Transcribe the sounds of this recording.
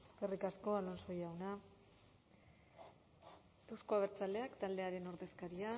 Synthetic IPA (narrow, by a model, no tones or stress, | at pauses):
kerikasko̞alonso̞jawna | e̞wsko̞aβeɾt͡sald̪e̞akt̪ald̪e̞aɾe̞no̞ɾðe̞skaɾia